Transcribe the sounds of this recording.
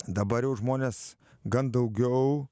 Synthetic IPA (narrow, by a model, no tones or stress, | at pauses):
d̪ɐbɐɾjɛʊʒmoːnʲeːs | ɡɐnd̪ɐʊɡʲɛʊ